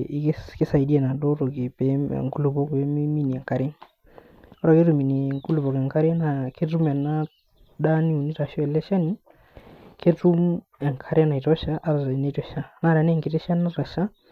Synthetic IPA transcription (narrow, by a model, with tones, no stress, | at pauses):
kkɪ˦sa˨i˨di˦ɛ˨na˨ɗɔ˦ɾo˨ki˨pɛ̰˨˦˨ŋku˦lu˨bɔ˦kɛ˦mi˦mi˦ni˨ɛ˨ŋka˨ɾɪ˦ | ɔ˦ɾa˨ke˦tu˨mi˨ni˨ŋku˦lu˨bɔ˨kɛ˨ŋka˦ɾe˦na˨ke˦tu˦mɛ˨na˦ | ɗa˦ni˦u˨ni˦ɾa˨ʃɔ˦ɛ˨lɛ˦ʃa˦ni˦ | ke˦tu˦m | ɛ˨ŋkʰa˨ɾɛ˦na˨i˨tɔ˦ʃa˦ʔa˦ɾa˨a˨na˦i˦tɔ˨ʃa˦na˦ɾa˨n˦ɛ˦˨ŋkɪ˨tɛ˦ʃa˦na˦ɾa˨ʃa˦